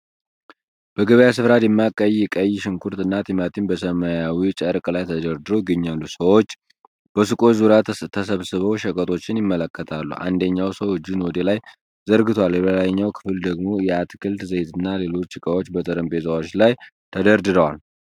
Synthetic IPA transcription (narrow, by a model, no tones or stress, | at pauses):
b̥əɡəβəjasɨfɾad̪jɛmːakʼːəjːɪkʼəjːʃɪŋkʰuɾt̪ɨnːat̪ʰimat̪ʰinbəsəmajawit͡ʃʼəɾkʼlajt̪ʰəd̪əɾd̪ɨɾojɪɡəɲːalːusəwot͡ʃː | b̥əsɨkʼo̞t͡ʃzuɾat̪ʰət̪ʰːəsəβsɨβəwʃəkʼət̪ʼo̞t͡ʃːɪnjɪmːələkːət̪ʰalːṵʔa̰nd̪əɲːawsəwɨd͡ʒːunwɔd̪elaj | zəɾɡɨt̪ʰwaljɛbəlaɲːawkʰɨfɨld̪əɡmo̞jɛat̪kʰɨlt̪zəjt̪ʰɨnːale̞lo̞t͡ʃːɪkʼəwot͡ʃːbət̪ʰʼəɾəmbe̞zawot͡ʃːlaj | t̪ʰəd̪əɾd̪ɨɾəwal